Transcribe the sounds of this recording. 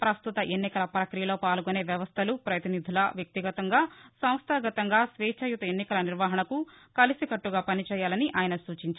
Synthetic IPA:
pɾɐst̪ut̪ɐʔenːikɐlɐpɾɐkɾijɐloːpaːluɡone̞ːʋjɐʋɐst̪ʰɐlupɾɐt̪inid̪ʱilɐʋjɐk̚t̪iɡɐt̪ɐŋɡaːsɐw̃st̪ʰaːɡɐt̪ɐŋɡaːsʋɛːt͡ʃɐjut̪ɐenːikɐlɐniɾʋaːɦɐɳɐku | kɐlisikɐʈːuɡaːpɐnit͡ʃɛːjaːlɐniʔaːjɐnɐsuːt͡ʃiɲt͡ʃa

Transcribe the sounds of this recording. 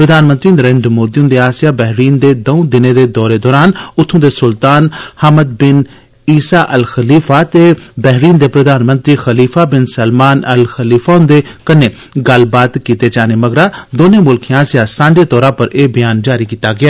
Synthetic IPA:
pɾəd̪aːnmənt̪ɾiːnɾẽːɳɖmoːd̪iːʊ̃nd̪eːaːsɪjaːbɛːɦɾiːnd̪eːd̪əũd̪ɪnẽːd̪eːd̪ɔːɾeːd̪ɔːɾaːnʊt̪ʰːõːd̪eːsʊlt̪aːnhəməd̪̚bɪn | iːsaːʔəlxəliːfʰaːt̪eːbɛːɦɾiːnd̪eːpɾəd̪aːnmə̃nt̪ɾiːxəliːfʰaːbɪnsəlmaːnəlxəliːfʰaːʊnd̪eːkəneː | ɡəlbaːt̪kiːt̪eːd͡ʒaːneːməɡɾaːd̪oːnẽːmʊlkʰːãːsɪjaːsãːɳɖeːt̪ɔːɾãːpəɾeːbɪjaːnd͡ʒaːɾiːkiːt̪aːɡɪaː

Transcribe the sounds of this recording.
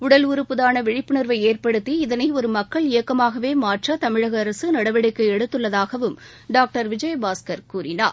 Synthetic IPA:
ʊɽɐlʊɾɯpːɯðaːnɐʋɪɻɪpːɯnɪɾʋɐɪeːrpɐɽɯt̪ːiɪðɐnɐɪɔɾɯmɐkːɐɭɪjɐkːɐmaːɣɐʋeːmaːʈrɐt̪ɐmɪɻɐɣɐːɾɐsɯnɐɽɐʋɪɽɐɪkːɐɛɽɯt̪ːɯɭːɐðaːɣɐʋɯm | ɖaːk̚ʈɐɾʋɪd͡ʒɐjɐbaːskɐɾkuːɾɪnaːɾ

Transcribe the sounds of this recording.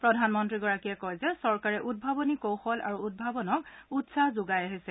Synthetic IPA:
pɹɔdʱanmɔntɹiɡɔɹakiɛkɔjzɛsɔɹkaɹɛʔud̚bʱabɔnikowxɔlʔa̰ɹuud̚bʱabɔnɔkutsazʊɡajaɦisɛ

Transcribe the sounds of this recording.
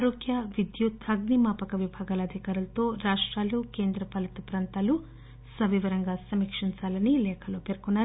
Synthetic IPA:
ɾoːɡjɐʋid̪jut̪ʰɐɡnimaːpɐkɐʋibʱaːɡaːlɐːd̪ʱikaːɾulɐt̪o̞ːɾaːʂʈɾaːluːkeːnd̪ɾɐpɐlɐt̪ɐpɾaːnt̪aːlu | sɐʋiʋɐɾɐŋɡaːsɐmikʂiɲt͡ʃaːlɐnilɛːkʰɐloːpe̞ːɾkunːaːɾ

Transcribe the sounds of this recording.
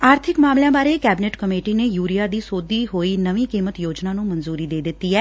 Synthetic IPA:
aːɾt̪ʰɪkmaːmljãːbaːɾeːkɛːbɪneːʈkəmeːʈiːneːjuːɾijaːd̪iːsoːd̪iːɦoːiːnəʋĩːkiːmət̪joːd͡ʒnaːnũːmənzuːɾiːd̪eːd̪ɪt̪ːiːɦɛː

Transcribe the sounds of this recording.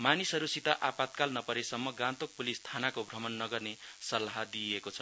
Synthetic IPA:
manisʌɾusit̪aʔapat̪̚kalnʌpʌɾesʌmːʌɡãnt̪ok̚pulist̪ʰanakobʱrʌmʌnːʌɡʌrnesʌlaɦd̪iekot͡sʰʌ

